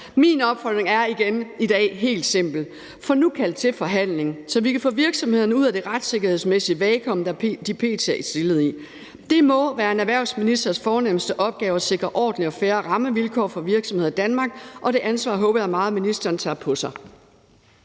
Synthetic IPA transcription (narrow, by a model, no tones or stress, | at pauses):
minɒ̽b̥fɒd̥ʁeŋæɐiɡ̥enid̥ɛ̰ːɦe̝̰ːld̥se̝m̰b̥l̩ | fɒ̽nukʰæl̰d̥̚t͡sʰe̝fɒ̽ɦæn̰le̝ŋsɒ̽ʋikʰæfɔ̰ːʋiɐɡ̥sɒ̽mhe̝ðˠɐnəuð̰ˠæd̥e̝ʁɑd̥se̝ɡ̥ɐhe̝ðˠsmesiəʋɛːkʰɒ̽m̰d̥ɑd̥ipʰe̝̰ːt͡sʰeisd̥e̝lð̞̩ˠi | d̥e̝mɒ̽ʋæːɐe̝næʋæɐ̰ʊsminisd̥ɐsfɒːnemsd̥əʔɒ̽b̥̚ɡ̥ɛːʊɐse̝ɡ̥ʁɐʔɒ̰ːd̥n̩liɒ̽fæːɐʁɑ̈məʋilkʰɒ̰ːfɒ̽ʋiɐɡ̥sɒ̽mhe̝ð̰ˠd̥ænmɑ̈ːɡ̥ʔɒ̽ɾ̥e̝ʔænsʋɑ̰̈ːɦɔ̽ːb̥ɐjɑ̈mɑ̈ːðˠminisd̥ɐːnt͡sʰɑ̰pʰɒ̽sɑ̈ɪ